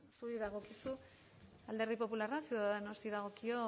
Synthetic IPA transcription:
suɾiðaɣ̞o̞kisu | ald̪e̞ɾðipo̞pularasewðaðenost̪iðaɣ̞o̞kio̞

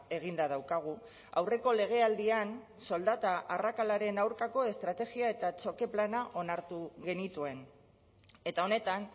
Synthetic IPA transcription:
e̞ɣ̞ind̪að̞awkaɣ̞u | a̰wre̞ko̞le̞ɣ̞e̞ald̪ian | so̞ld̪at̪aʔːrakalaɾe̞nawɾkako̞e̞st̪ɾat̪e̞ɣiae̞t̪at͡so̞ke̞planaʔo̞naɾt̪uɣe̞nit̪ue̞n | e̞t̪ao̞ne̞t̪an

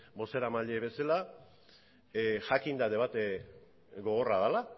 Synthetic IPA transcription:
bo̞seɾamaʎeβe̞sala | xakind̪aðe̞βat̪e | ɡo̞ɣo̞raðala

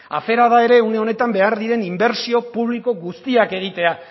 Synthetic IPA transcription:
a̰fe̞ɾað̞ae̞ɾe̞une̞o̞ne̞t̪ambe̞aɾðiɾe̞nimbe̞ɾsio̞puβliko̞ɣust̪iake̞ɣ̞it̪e̞a

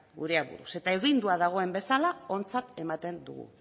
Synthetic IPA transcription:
ɡṵɾeaβṵɾṵse̞t̪ae̞ɣind̪uaðaɣ̞o̞e̞mbe̞salao̞nt͡sat̪e̞mat̪e̞nd̪ṵɣṵ

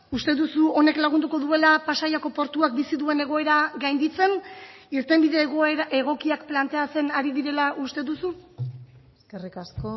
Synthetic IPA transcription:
ust̪e̞ðusuo̞ne̞klaɣ̞und̪uko̞ðue̞lapasajako̞po̞ɾt̪uak̚bisiðue̞ne̞ɣ̞o̞e̞ɾaɣajnd̪it͡se̞niɾt̪e̞mbiðe̞ɣoeɾe̞ɣ̞o̞kiakplant̪e̞ase̞naɾiðiɾe̞laʔust̪e̞ðusu | eskerikasko

